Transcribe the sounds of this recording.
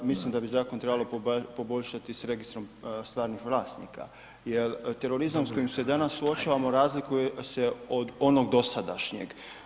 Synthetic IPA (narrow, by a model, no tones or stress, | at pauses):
mislimd̪abizaːko̞nt̪ɾe̞balo̞po̞bo̞ʎʃat̪isɾe̞ɡist̪ɾo̞mst̪ʋaːɾnixʋlˠaːst̪nḭːka̰ | jelt̪e̞ɾo̞ɾizamsko̞jimsed̪anasːuo̞t͡ʃaːʋamo̞ɾaːzlikujeseod̪o̞no̞ɡd̪o̞sad̪a̰ʃɲeɡ